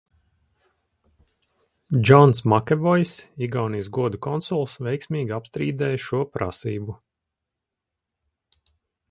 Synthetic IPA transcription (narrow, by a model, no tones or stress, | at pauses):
d͡ʒɔnsmakʲɛvɔjsiɡawnijsɡuɔd̪ukɔnsɔlˠsvɛjksʲmʲiːɡʲapst̪ɾiːd̪ɛːjʃuɔpɾa̰siːbu